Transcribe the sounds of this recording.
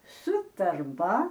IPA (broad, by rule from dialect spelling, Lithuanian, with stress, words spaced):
sʊ tɐrˈbɐ